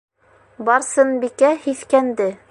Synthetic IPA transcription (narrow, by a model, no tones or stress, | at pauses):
bɑɾsɤnbikæhiθkænd̪ɘ